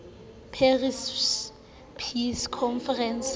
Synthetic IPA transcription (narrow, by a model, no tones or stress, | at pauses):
pʰeris | pʰiskʰɔnfɛrɛns